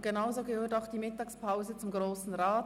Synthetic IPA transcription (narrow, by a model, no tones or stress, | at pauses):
ɡ̥enaʊzoɡəhøːtaʊxd̥iːmɪtɑːkspʰaʊzət͡sʊmɡʁoːsn̩ʁaːt